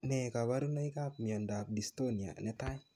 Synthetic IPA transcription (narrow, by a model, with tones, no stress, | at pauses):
nɛ˨ka˨wa˦ɾu˦na˦i˦ka˦p̚mi˨ɔ˨nda˨p̚di˨sto˦ni˨a̰˨nɛ˦ta˦ɲ